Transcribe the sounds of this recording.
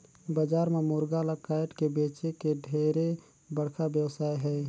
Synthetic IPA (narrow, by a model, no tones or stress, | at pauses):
bəd͡ʒaːɾmemʊːɾɡalakaːɪʈkebeːt͡ʃekeɖʱeːɾe | bəɽkʰabjəwsaːeɦɛː